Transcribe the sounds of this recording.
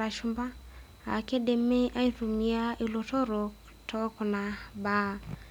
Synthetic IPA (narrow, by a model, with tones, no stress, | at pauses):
a˨ʃu˦mba˦ | a̰˨ke˦de˨me˦ʔa˦i˦tu˨mi˨a˦i˨lo˨tɔ˦ɾo˨ | tʰɔ˦kɔ˨na˨ba˦˨